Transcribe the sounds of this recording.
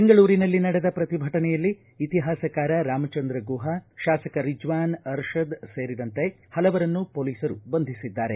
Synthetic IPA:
beŋɡɐɭuːɾinɐlːinɐɽed̪ɐpɾɐt̪ibʱɐʈɐnɛjɐlːiː | t̪iɦaːsɐkaːɾɐɾaːmɐt͡ʃɐnd̪ɾɐɡuːɦɐʃaːsɐkɐɾid͡ʒʋaːnɐɾʃɐd̪seːɾid̪ɐnt̪e̞ | hɐlɐʋɐɾɐnːupoːliːsɐɾubɐnd̪ʱisid̪ːaːɾe̞

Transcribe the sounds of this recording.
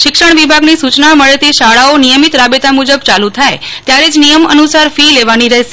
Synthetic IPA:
ʃɪkʃəɳ̃ʋibʱaɡnisut͡ʃnaməɭet̪iʃaɭaonijəmit̪ɾabet̪amud͡ʒəbt͡ʃalut̪ʰajt̪jaɾed͡ʒnijəmə̰nusaɾfileʋaniɾəɦe

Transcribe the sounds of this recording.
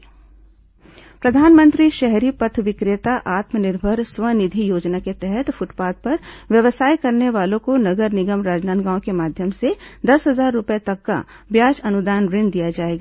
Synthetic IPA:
pɾɐd̪ʱaːnmə̃nt̪ɾiʃɛɦɾipɐt̪ʰʋɪkɾet̪aʔaːt̪mənɪɾbʱəɾswənɪd̪ʱijoːd͡ʒnaket̪ɛɦɛt̪fʊʈpaːt̪̚pɐɾʋjɐʋsaːjkɐɾneʋaːlõkonɐɡəɾnɪɡəmɾaːd͡ʒnaːnɡãːõkemaːd̪ʱjəmsed̪ɐsɦɐzaːɾːʊpjet̪ɐkːa̰ | bjaːd͡ʒɐnʊd̪aːnɾɪ̃nd̪ijad͡ʒaːeːɡaː

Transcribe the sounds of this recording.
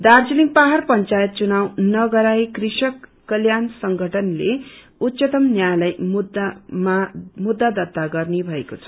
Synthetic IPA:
d̪ard͡ziliŋpaɦarpʌnt͡sajʌt̪̚t͡sunawnʌɡʌɾajkriʃʌkː | ʌljansʌŋɡʱʌʈʰʌnle | ut̪sʌt̪ʌmnjajlʌjmud̪mamud̪ːad̪ʌt̪ːaɡʌrnebʱʌekot͡sʰʌ̥

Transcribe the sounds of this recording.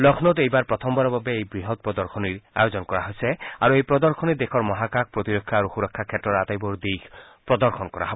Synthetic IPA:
lɔkʰnɔtejbaɹpɹɔt̪ʰɔmbaɹɔbabeejbɹiɦɔt̪̚pɹɔd̪ɔɹkʰɔniɹa̰jozɔnkɔɹaɦojsɛaɹuejpɹɔd̪ɔɹkʰɔnid̪ekʰɔɹmɔɦakak̚pɹɔt̪iɾɔkʰːjaaɹuxuɹɔkʰːakʰɛtːɹɔɹat̪ajbɔɹd̪ikʰ | pɹɔd̪ɔɹxʰɔnkɔɹa̰ɦɔbɔ

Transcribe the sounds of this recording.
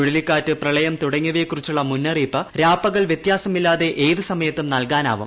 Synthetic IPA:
uɻɐlikʲːaːtːɨprɐɭɐjɐmt̪uɽɐŋːɐʋekːurit͡ɕːuɭːɐmunːɐriːpːɐɾaːpːɐɣɐɭʋjet̪jaːsɐmilːaːðe̞ʔeːðɨsɐmɐjɐt̪ːumnɐlkaːna̰ːʋṵm

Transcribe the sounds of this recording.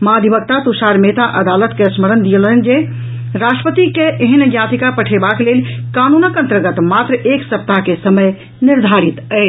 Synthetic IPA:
mad̪ʱibək̚t̪at̪usaɾmet̪aʔəd̪alət̪kesməɾənd̪ijələnd͡ʒe | ɾasʈɾəpət̪ikeʔeɦənɡjat̪ikapəʈʰebaklelkanunəkə̃nt̪ɾəɡət̪mat̪ɾəʔeksəp̚t̪akesəməj | niɾd̪ʱaɾit̪ɛ

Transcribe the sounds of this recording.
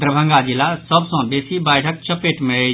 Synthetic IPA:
d̪ɾəbʱə̃ŋɡad͡ʒilasəbsə̃besibəjʈʰək̚t͡ʃəpeʈmẽ

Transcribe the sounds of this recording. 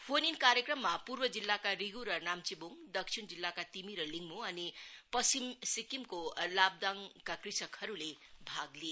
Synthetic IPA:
pʰoninkaɾjekrʌmːapurbʌd͡zilːakaɾiɡuɾʌnamt͡sibuŋd̪ʌksʰind͡zilːakat̪imiɾʌliŋmuʌnipʌsimsikimkolab̚d̪aŋkakrisʌkʰhʌɾulebʱaɡli

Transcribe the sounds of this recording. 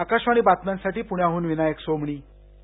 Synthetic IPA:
akaɕʋaɽ̃ibat̪mãnsaʈiːpuɽjaɦuːnʋinajəksomɳiː

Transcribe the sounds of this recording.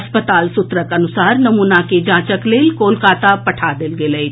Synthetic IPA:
ɐspət̪aːlsʊt̪ɾəkɐnʊsaːɾnɐmuːnaked͡ʒãːt͡ʃəkleːlkoːlkaːt̪apɐʈʰad̪ɪlɡeləi

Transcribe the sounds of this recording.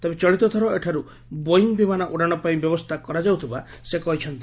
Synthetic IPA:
t̪ebet͡ʃɔɭit̪ɔt̪ʰɔɾɔeʈʰaɾu | boiŋbimanaʔuɽaɽ̃ɔpaĩbjɔbɔst̪ʰakɔɾad͡ʒawt̪ʰibasekɔɦit͡ʃʰɔnt̪

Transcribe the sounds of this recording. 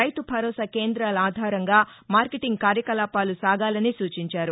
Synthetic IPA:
ɐjt̪ubʱɐɾɔːsɐke̞ːnd̪ɾaːlaːd̪ʱaːɾɐŋɡaːmaːɾkeʈiŋɡkaːɾjɐkɐlaːpaːlusaːɡaːlɐnisuːt͡ʃiɲt͡ʃaːɾu

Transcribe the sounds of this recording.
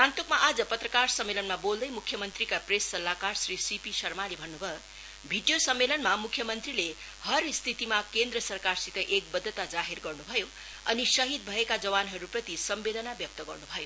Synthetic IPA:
ãnt̪okmaʔad͡zʌpʌt̪rʌkarsʌmːelʌnmabold̪ʌjmukʰːjʌmʌnt̪rikapresːʌlːakarsrisipisʌrmalebʱʌnːubʱʌ | bʱiɖijosʌmːelʌnmamukʰjʌmʌnt̪rile | hʌɾst̪ʰit̪imakend̪rʌsʌrkarsik̪ʌjʔek̚bʌd̪ʱːʌt̪ad͡zaɦerɡʌrnubʱʌjo | ʌnisʌɦid̪̚bʱʌekad͡zʌβanɦʌɾuprʌt̪isʌmːelʌnabjʌk̚t̪ʌɡʌrnubʱʌjo

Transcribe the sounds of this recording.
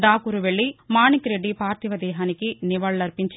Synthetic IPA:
ɖaːkuɾuʋeɭːimaːnikɾeɖːipaːɾt̪iʋɐd̪ɛːɦaːnikːiniʋɐɭːɐɾpiɲt͡ʃ

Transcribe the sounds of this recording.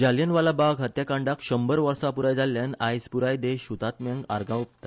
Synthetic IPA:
d͡ʑaljənʋalabaɡɦət̪jakãɳɖakɕəmbəɾʋəɾsapuɾajd͡zalːjanajd͡zpuɾajd̪eɕut̪at̪mjãŋɡa̰ɾɡãup̚t̪a

